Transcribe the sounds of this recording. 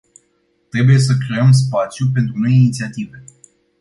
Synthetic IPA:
t̪ɾe̞buje̞s̬əkɾe̞əms̬pat̪sjup̬e̞nt̪ɾuno̞jinit̪siat̪ive̞

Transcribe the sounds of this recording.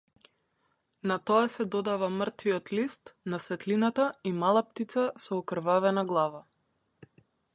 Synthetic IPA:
nat̪ɔasɛd̪ɔd̪avamrt̪viɔt̪list̪nasvɛt̪linat̪aimalˠap̚t̪it̪sasɔːkr̩vavɛnaɡlˠava

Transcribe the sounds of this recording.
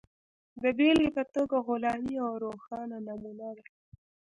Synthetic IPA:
d̪əbelepət̪oɡaɣʊlɑmiawɾoxɑnanamunad̪a

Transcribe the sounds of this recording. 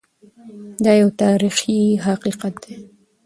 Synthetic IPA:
d̪ɑjawt̪ɑɾixiɦaqiqat̪̚d̪e

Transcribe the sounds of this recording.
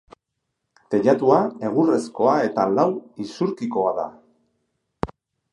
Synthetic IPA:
t̪e̞ʎat̪uae̞ɣ̞ure̞sko̞ae̞t̪alawisuɾkiko̞aða̰

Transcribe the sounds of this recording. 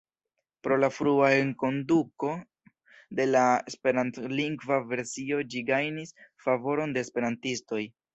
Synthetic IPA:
pɾo̞lafɾuaeŋko̞nduko̞ | de̞laespe̞ɾantliŋɡvave̞ɾsio̞d͡ʒiɡajnisfavo̞ɾo̞nde̞ːspe̞ɾantisto̞j

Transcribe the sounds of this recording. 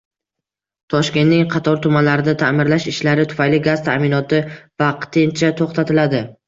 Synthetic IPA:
t̪ʰɒʃkʲe̞nnɪŋqʰɑt̪ʰɒɾt̪ʰʊmanlaɾɪd̪at̪ʰamɪɾlaʃɪʃlaɾɪt̪ʰʊ̥fajlɪɡaz̥t̪ʰa̰ʔmɪnɒt̪ɪvɑqt̪ɪnt͡ʃʰat̪ʰoχt̪ʰat̪ʰɪlad̪ɪ

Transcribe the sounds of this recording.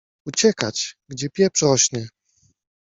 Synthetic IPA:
ut͡ɕɛkat͡ɕɡd͡ʑɛpʲjɛpʂɛɔɕnɘ

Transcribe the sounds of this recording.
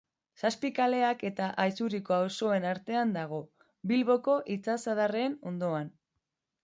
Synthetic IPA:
saspikale̞ake̞t̪aʔajsuɾiko̞awso̞e̞naɾt̪e̞and̪aɣ̞o̞ | bilβo̞ko̞ʔit͡sasaðareːno̞nd̪o̞an

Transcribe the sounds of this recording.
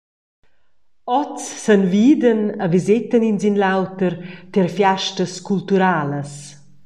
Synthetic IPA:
ɔt͡sːənviːd̪ənəvizɪt̪əninzinlawt̪əɾt̪eɾfjaʃtəskult̪uɾaːləs

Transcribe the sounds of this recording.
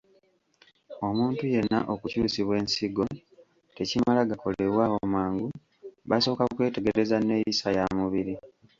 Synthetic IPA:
o̞muːntuje̞nːa̰ʔokucuːsiβwe̞ːnsiɡo̞ | te̞cimalaɡako̞le̞βwaːwo̞maːŋɡu | βaso̞ːkakwe̞ːte̞ɡe̞ɾe̞zane̞ːjisajamuβiɾi

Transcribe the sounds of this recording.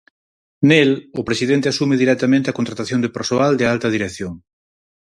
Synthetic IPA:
nelʊpɾesiðent̪easumɪðiɾɛt̪amẽnt̪eakont̪ɾat̪aθjond̪epeɾsoald̪ɪalt̪ɐð̞iɾekθjoŋ

